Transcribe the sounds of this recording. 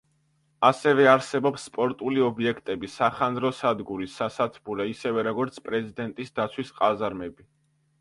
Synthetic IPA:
asɛvɛaɾsɛbɔpsːpʼɔɾt̪ʼuliɔbiɛkʰt̪ʼɛbisaχanɾɔsad̪ɡuɾisasat̪ʰbulɛisɛvɛɾɔɡɔɾt̪sʰpʼɾɛzid̪ɛnt̪ʼisd̪at̪sʰwisqʼazaɾmɛbi

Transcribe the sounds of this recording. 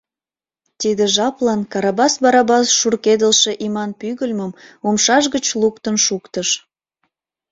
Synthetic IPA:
t̪id̪əʒɑplɑnkɑɾɑbɑsbɑɾɑbɑsʃurked̪əlʃeʔimɑnpyɣəlʲməmumʃɑʒɣət͡ɕlukt̪ənʃukt̪əʃ

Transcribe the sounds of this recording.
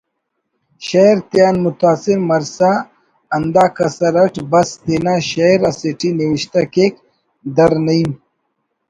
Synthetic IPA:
ʃɐjɾt̪jaːnmʊt̪aːsiɾmɐɾsa | ɐnd̪aːkɐsɐɾɐʈbɐst̪eːnaɕɐjɾɐseʈiniwiʃt̪akek | d̪ɐɾnɐim

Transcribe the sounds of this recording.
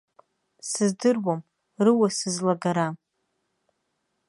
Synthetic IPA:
sɨzdɨrwam | rɨwasɨzlaɡaɾa

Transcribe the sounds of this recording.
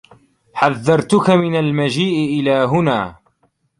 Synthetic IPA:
ħaðːɑɾˤt̪ʊkamɪnalmad͡ʒiːʔɪʔɪlaːɦʊnaː

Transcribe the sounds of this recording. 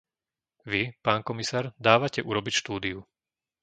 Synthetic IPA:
ʋipaːnkɔmisaːɾd̪aːʋacɛʔuɾɔbicʃt̪uːd̪iu

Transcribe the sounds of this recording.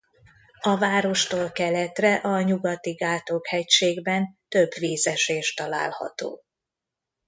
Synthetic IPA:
ɒvaːɾo̞ʃt̪oːlkɛlɛt̪rɛʔɒɲuɡɒt̪iɡaːt̪okhɛcʃeːɡbɛnt̪øbviːzɛʃeːʃt̪ɒla̰ːlhɒ̰t̪o̰ː

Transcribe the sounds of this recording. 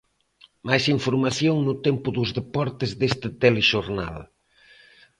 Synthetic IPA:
majsiɱfuɾmaθjoŋnʊt̪empʊðʊzðepɔɾt̪ɪzðest̪ɪt̪eleʃoɾna̰l

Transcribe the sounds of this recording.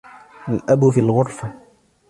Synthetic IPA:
alʔabufilɣʊɾˤfa

